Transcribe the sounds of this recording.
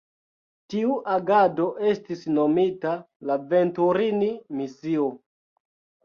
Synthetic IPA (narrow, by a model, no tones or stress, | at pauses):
tiuʔaɡado̞ʔe̞stisno̞mita | lave̞ntuɾinimisio